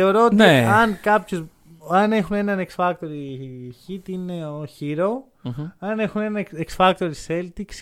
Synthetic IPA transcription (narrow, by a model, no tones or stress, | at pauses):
eoɾoot̪eɐnkɐpços | ɐne̞xune̞nɐneksfɐk̚t̪o̞ɾiçit̪ineoçiɾo | ɐne̞xune̞nɐeksfɐk̚t̪oɾiiselt̪iks